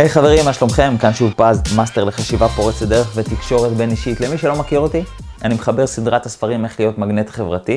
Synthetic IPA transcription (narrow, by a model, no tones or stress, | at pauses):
ejχave̞ʁimaʃlo̞mχe̞mkanʃuvpazmasteʁle̞χaʃivapo̞ʁet͡setd̪e̞ʁeχvet̪ikʃo̞ʁet̪be̞niʃit̪le̞miʃelo̞makiʁo̞t̪i | animeχabe̞ʁsid̪ʁat̪asfaʁime̞χlijo̞t̪maɡnet̪χe̞vʁat̪i